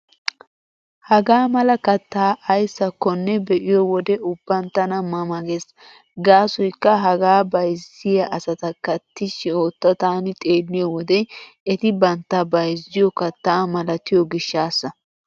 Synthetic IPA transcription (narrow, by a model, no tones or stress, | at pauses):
hɐɡaːmɐlɐkɐt̪ːaːʔɐjsːɐkːɔnːɛbɛʔɪjɔwɔd̪ɛʊbːɐnt̪ːɐnɐmɐmɐɡes | ɡaːsɔjkːɐɦɐɡaːbɐjsɪjɐʔɐsɐt̪ɐkɐt̪ːɪʃɪoːt̪ːɐt̪aːnɪt̪ʼe̞ːlːɪjɔwɔd̪ɛ | ɛt̪ɪbɐnt̪ːɐbɐjzːɪjɔkɐt̪ːaːmɐlɐt̪ɪjɔɡɪʃːaːsːɐ